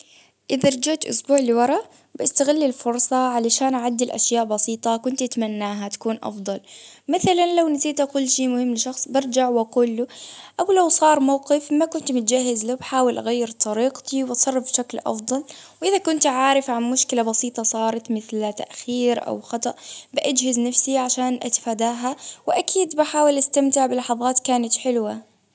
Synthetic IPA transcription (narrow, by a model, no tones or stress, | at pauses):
ʔɪðaɾˤd͡ʒaʕt̪ʔʊ̰sbuːʕlɪwɑɾˤɑ | bʔast̪aɣɪlːɪlfʊɾsˤɑʕalaʃaːnʔaʕad̪ːɪlʔa̰ʃjaːʔbɑsiːt̪ˤɑkʊnt̪ʔat̪manːaːɦat̪ḁkuːnʔɑ̰fd̪ˤɑlmɪθalanlawnasiːt̪ʔakʊlːʃiːmʊhɪmːlɪʃɑxsˤbɪɾˤd͡ʒaʕwʔaquːlːuʔawlawsˤɑːɾˤmawqɪfmakʊnt̪mʊt̪d͡ʒaɦːɪzlabħaːwɪlʔaɣajːɪɾt̪ˤɑɾiːqt̪ʰiwʔtsˤɑrˤːɑfbʃaklʔɑ̰fd̪ˤɑlwʔɪðakʊnt̪ʕaːɾɪfʕanmʊʃkɪlabɑsiːt̪ˤɑsˤɑːɾˤɑt̪mɪθlt̪a̰ʔxiːɾʔa̰wxɑt̪ˤɑʔbɪʔad͡ʒhɪznafsiʕaʃaːnʔa̰t̪ɪ̥faːd̪aːɦawɪʔakʰiːd̪baħaːwɪlʔast̪amt̪ɪʕbɪlɑħɑðˤɑːt̪kaːnat̪ħɪlwa